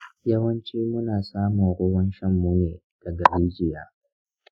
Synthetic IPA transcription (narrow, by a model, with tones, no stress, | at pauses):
jɐ˦wɐ˦nt͡ʃiː˦mʊ˦naː˨saː˦mʊ˨ŋɽʊː˦wɐ˦nʃɐ˦mːu˦neː˨ | d̥ɐ˨ɡɐ˨ɽiː˦d͡ʒɪ˨jaː˦